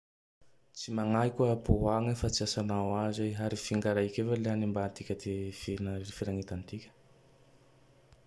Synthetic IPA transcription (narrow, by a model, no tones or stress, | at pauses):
t͡simaŋajkʲaboɦaŋafat͡siasanawazajɦaɾifiŋɡaɾaikʲevaleanimbant̪ikʲəd̪efinaɾeɾfiɾaŋet̪ant̪ikʲə̥